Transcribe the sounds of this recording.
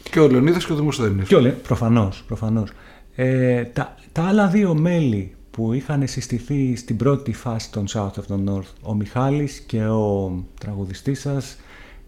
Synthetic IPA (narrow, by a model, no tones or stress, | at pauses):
ceoleoniðɐsceoðimosθeniseolepɾo̞fɐno̞spɾo̞fɐno̞s | et̪ɐ | t̪ɐɐlɐðio̞me̞li | puixɐne̞sist̪iθist̪ibɾo̞t̪ifɐsi̥t̪o̞nsɐut̪ovðeno̞ɾθo̞mixɐlisce̞o̞t̪ɾɐɣuðist̪isɐs